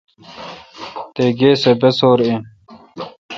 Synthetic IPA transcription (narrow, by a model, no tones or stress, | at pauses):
t̪eːɡeːsebesoːɾẽ